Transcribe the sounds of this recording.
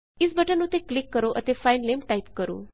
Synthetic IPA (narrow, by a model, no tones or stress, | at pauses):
ɪsbəʈənnũt̪eklɪkːəɾoʔət̪efajnlemʈaipkəɾo̰ː